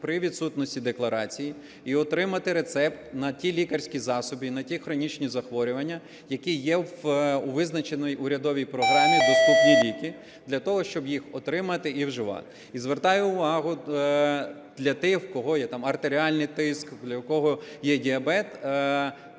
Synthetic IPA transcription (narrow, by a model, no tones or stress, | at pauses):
pɾɪʋʲid̪sut̪nɔsʲtʲid̪eklˠɐɾɑt͡sʲiji | iɔt̪ɾɪmɐt̪ɪɾe̞t̪sɛpt̪nɐtʲilʲikɐrʲsʲkʲizɑsɔbʲinɐtʲixɾɔnʲit͡ʃnʲizɐxʋɔɾʲʊʋɐnʲːɐ | jɐkijɛʋʊʋɪznɐt͡ʃenɔjʊɾʲɐd̪ɔʋʲijpɾɔɦɾɑmʲid̪ɔst̪upnʲilʲikʲi | d̪lʲɐt̪ɔɦɔʃt͡ʃɔbjixɔt̪ɾɪmɐt̪ɪʔiwʒɪʋɑ̰t̪ɪ | izʋert̪ɑjʊːʋɑɦʊ | d̪lʲɐt̪ɪxwkɔɦɔjɛt̪ɑmɐrt̪eɾʲiɑlʲnɪjt̪ɪskd̪lʲɐkɔɦɔjɛdʲiɐbɛt̪